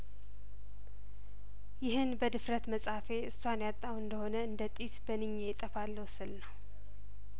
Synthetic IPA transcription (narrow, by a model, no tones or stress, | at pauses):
jɪɦɨnbəd̪ɨfɾət̪məsʼafe̞ʔɨsːwanjat̪ʼːawɨnd̪əho̞nəɨnd̪ət̪ʼisbənɨɲːet̪ʼəfalːəwsɨlnəw